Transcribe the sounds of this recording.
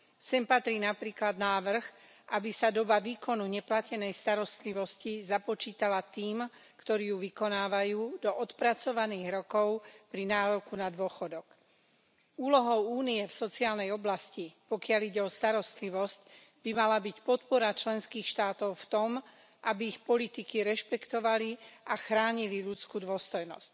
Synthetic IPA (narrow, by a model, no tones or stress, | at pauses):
sɛmpat̪ɾiːnapɾiːklad̪naːʋr̩ɣ | ʔabisad̪ɔbaʋiːkɔnuɲɛplacɛnɛjst̪aɾɔst̪liʋɔscizapɔt͡ʃiːt̪alat̪iːm | kt̪ɔɾiːjuʋikɔnaːʋajuːd̪ɔʔɔt̪pɾat͡sɔʋaniːɣɾɔkɔʊpɾinaːɾɔkunad̪ʊɔxɔd̪ɔk | uːlɔɦɔʊuːniɛfsɔt͡siaːlnɛjɔblascipɔkɪaliɟɛɔst̪aɾɔst̪liʋɔsc | bimalabicpɔt̪pɔɾat͡ʃlɛnskiːxʃt̪aːt̪ɔʊft̪ɔm | ʔabiːxpɔlit̪ikiɾɛʃpɛkt̪ɔʋaliʔaxɾaːɲiliʎut͡skuːd̪ʊɔst̪ɔjnɔ̰sc̚